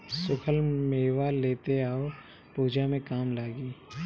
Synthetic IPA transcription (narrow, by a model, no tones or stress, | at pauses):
sʊkʰəlmeːwaleːt̪eaːo | puːd͡ʒamẽkaːmlaːɡiː